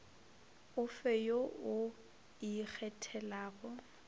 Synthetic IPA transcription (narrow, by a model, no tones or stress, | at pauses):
ʊfejoʊ | ik͡xʰɛtʰɛlaːɣɔ